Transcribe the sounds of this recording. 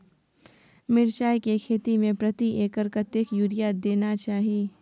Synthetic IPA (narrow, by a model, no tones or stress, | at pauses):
mɪɾʃaːjkekʰeːt̪imẽpɾɐt̪iʔeːkəɾkət̪jəkjuːɾijad̪eːnat͡ʃaːɦieː